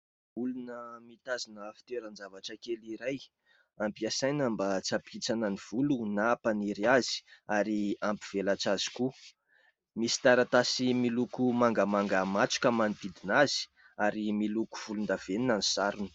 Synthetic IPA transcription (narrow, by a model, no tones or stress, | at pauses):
ulunəmit̪azinəfi̥t̪eɾanzavaʈ͡ʂəkeliɾaj | ampiasajnambat͡sapʰit͡sanəniv̥ulunapaniɾiazi̥aɾiampiv̥elat͡saz̥i̥ku | misi̥t̪aɾat̪asimilukumaŋɡəmaŋɡamat͡su̥kʲəmand̪id̪inazi̥ | aɾimiluku̥v̥ulund̪aveninanisaɾunə̥